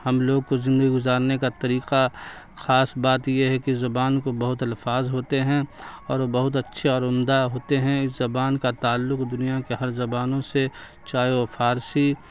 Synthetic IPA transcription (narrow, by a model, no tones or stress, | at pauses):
hɐmloːɡ̚kozɪ̃nd̪əɡiɡʊzaːɾnekat̪ɐɾiːqa | xaːsbaːt̪jeɦɛkizɐbaːnkobɐɦʊt̪ɪlfaːzɦoːt̪eɦɛ̃ɔːɾbɐɦʊt̪̬ɐtːʃʰeɔːɾʊmd̪aɦoːt̪eɦɛ̃ɪszɐbaːnkat̪aːlːʊqd̪ʊnijakeɦɐɾzɐbaːnõse | t͡ʃaːjofʰaːɾsi